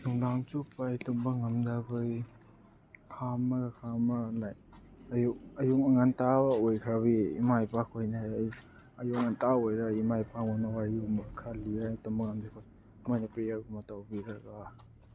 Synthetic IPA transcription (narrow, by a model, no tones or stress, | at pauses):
luŋdaŋt͡ʃupajtɔmbaŋɐmdabɯj | kʰamaɡakʰamaalaj | ɐjuk̚ɐjukaŋantabaojkʰɾaβḭːmajpakʰojnaj | ajukŋantaojɾaimajpaŋɔnawajumakʰaliajtɔmbaŋamdakʰoj | mojnɐpɾejaɾɡumatawbiɾaɡa